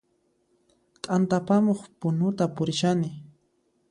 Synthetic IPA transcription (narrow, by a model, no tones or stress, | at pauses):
t̪ʼant̪apamoχpʊnʊt̪apʊɾɪʃanɪ